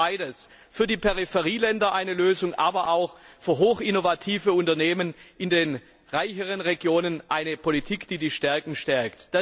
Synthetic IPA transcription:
aɪdəs | fyːɐdiːpʰɛʁifɛʁiːlɛndɐʔaɪnəløːzʊŋʔaːbɐʔaʊxfyːɐɦoːxɪnovatʰiːvəʊntɐneːmənʔɪndeːn | ʁaɪçəʁənʁeɡjoːnənʔaɪnəpʰolitʰiːkd̥iːdiːʃtɛɐkŋ̩ʃtɛɐktd̥a

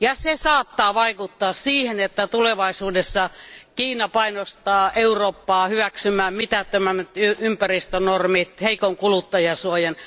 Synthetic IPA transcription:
jɑsesɑːt̪ːɑːʋɑikut̪ːɑːssiːhenet̪ːæt̪uleʋɑisuːdesːɑkiːnɑpɑinost̪ɑːʔeuroːpːɑːhyʋæksymˑæːmmit̪æt̪ːømæmːæt̪yympærist̪ønormit̪heikoŋkulut̪ːɑjɑsuojɑn

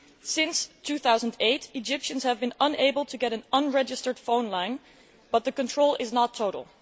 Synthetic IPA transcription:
sɪ̃nstʰʉθaʊzə̃ndeɪtid͡ʒɪpʃɨ̃nz̥hɨvbɨ̃nʌ̃neɪbəlˠtʰɨɡɛɾɨ̃nʌ̃nɹɛd͡ʒɨstə˞d̥fõʊ̃nlãɪ̃n | b̥ʌt̪̚ðɨkɨ̃ntʰɹ̥oʊlˠʔɪznətʰːoʊɾl̩ˠ

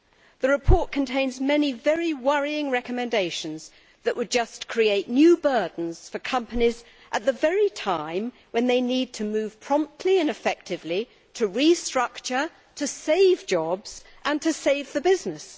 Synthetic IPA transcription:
ðɨɹɨpʰɔɹt̚kʰɨ̃n̩tʰẽɪ̃nzmɛnivɛɹiwʌɹiɪ̃ŋɹɛkɨmɨ̃ndeɪʃɨ̃nz̥ | ðɨʔwʔəd̚d͡ʒʌskʰɹ̥ieɪʔⁿnjʉbɜ˞dⁿn̩z̥fə˞kʰʌ̃mpɨniz | ʔət̪̚ðɨvɛɹitʰãɪ̃m | wɨ̃nðeɪnid̚tʰɨmʉv̥pʰɹ̥ɑ̃mp̚tʰliɨ̃nɨfɛk̚tɨvli | ɾʰɨɹistɹ̥ʌk̚t͡ʃə˞ | ɾɨseɪvd͡ʒɑbz̥ʔə̃ntʰɨseɪvðɨbɪznɨs

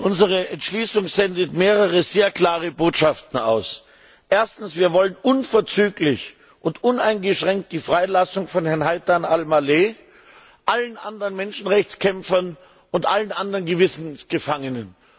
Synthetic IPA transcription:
ʔʊnzəʁ̞əɛntʃliːsʊŋzɛndətmeːʁəʁəzeːɐkl̥aːʁəboːtʃaftn̩a̰ʊs | ʔeːɐstn̩sv̥iːɐvɔlənʔʊnfɛɐt͡syːklɪç | ʔʊntʔʊnaɪnɡəʃʁ̥ɛŋk̚t̚d̥iːfʁ̥aɪlasʊŋfɔnhɛɐnɦaɪtanalmaleː | ʔalənʔa̰ndʁənmɛnʃn̩ʁɛçt͡skʰɛmfɐn | ʊntʔalənʔandʁɐnɡəvɪsn̩sɡ̥əfaŋənən

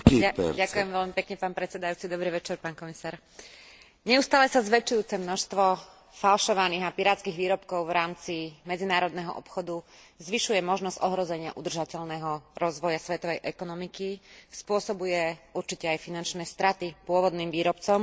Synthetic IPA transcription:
aakujɛmʋɛʎmipɛkɲɛpaːnpɾɛt̪t͡sɛd̪ajuːt͡sid̪ɔbɾiːʋɛt͡ʃɛɾpaːnkɔmisaːɾ | ɲɛust̪aːlɛsazʋɛt͡ʃujuːt͡sɛmnɔʃst̪ʋɔ | falʃɔʋaniːɣapiɾaːt̪t͡skiːɣʋiːɾɔpkɔʊʋɾaːmt͡simɛd͡zinaːɾɔd̪nɛɦɔ̰ʔɔpxɔd̪uzʋiʃujɛmɔʒnɔzɟɔɦɾɔzɛɲɪa̰ʔud̪r̩ʒacɛʎnɛɦɔɾɔzʋɔjasʋɛt̪ɔʋɛjʔɛkɔnɔmikispʊɔsɔbujɛuɾt͡ʃicɛajfinant͡ʃnɛːst̪ɾat̪ipʊɔʋɔd̪niːmʋiːɾɔpt͡sɔm

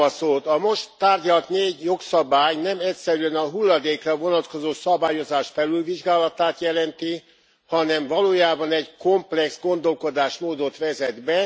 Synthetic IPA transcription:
ɒsoːt̪ɒmo̞ʃt̪ːaːrɟɒlt̪neːɟjo̞ksɒbaːjnɛmɛcsɛɾyɛnɒɦulːɒd̪eːkrɒvo̞nɒt̪ko̞zoːsɒbaːjo̞zaːʃfɛlylviʒɡaːlɒt̪aːt̪jɛlɛnt̪i | hɒnɛɱvɒloːjaːbɒnɛɟko̞mplɛksɡo̞nd̪o̞lko̞d̪aːʃmoːd̪o̞t̪ʋɛzɛd̪bɛ

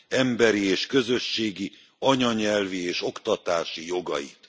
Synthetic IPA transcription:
ɛmbɛɾieːʃkø̞zø̞ʃːeːɡi | ɒɲɒɲɛlvieːʃo̞kt̪ɒt̪aːʃijo̞ɡɒ̰jḭt̪

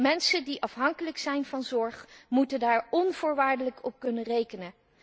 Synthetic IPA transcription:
mɛnsədiʔɑfɦɑŋkələksɛjnvɑnzɔɹχmutəndaːɹɔnv̥ʊːɹʋaːɹdələkʰɔp̚kɵnərejkənə

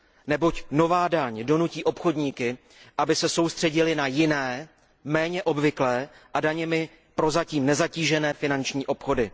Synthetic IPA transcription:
nɛbo̞cno̞vaːdaɲdo̞nuciːʔo̞pxo̞dɲiːkɪ | ʔabɪsɛso̞wst̪r̝̥ɛɟɪlɪnajɪnɛː | mɛːɲɛʔo̞bvɪklɛːʔadaɲɛmɪ | pɾo̞zaciːmnɛzaciːʒɛnɛːfɪnant͡ʃɲiːʔo̞pxo̞dɪ

